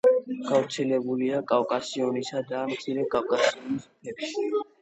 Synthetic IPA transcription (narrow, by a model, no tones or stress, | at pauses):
ɡ̥avɾt̪sʰɛlɛbuliakʼavkʼasiɔnisad̪amt̪sʰiɾɛkʼavkʼasiɔnispʰɛpʃi